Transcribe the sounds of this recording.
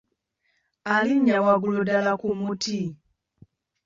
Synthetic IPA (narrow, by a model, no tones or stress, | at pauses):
aliɲawaɡulodalakumuti